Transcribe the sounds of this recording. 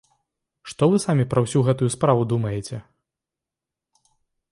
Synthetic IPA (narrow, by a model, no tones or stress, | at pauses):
ʂt̪ɔvɨsamʲipɾɐwsʲuɣɛt̪ujuspɾavud̪umɐjɛt͡sʲɛ